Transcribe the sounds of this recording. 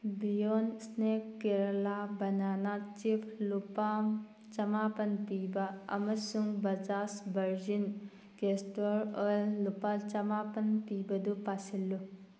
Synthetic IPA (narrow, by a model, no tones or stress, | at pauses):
bijonsnekːeɾɐlabɐnanat͡ʃipʰlupam | t͡ʃɐmapɐnpibaɐ̰mɐsuŋbɐd͡ʒasbɐɾd͡ʒin | kestɔɾəlːupalt͡ʃɐmapɐnpibɐd̪upasilːu